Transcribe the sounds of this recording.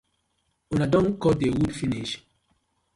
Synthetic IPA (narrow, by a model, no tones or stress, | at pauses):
unadɔ̃nkɔdewudfiniʃ